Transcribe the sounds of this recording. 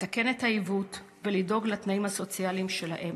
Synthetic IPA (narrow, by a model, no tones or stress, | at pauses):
take̞ne̞thaivut | velido̞ɡlatnaimhaso̞t͡sialimʃe̞laʔem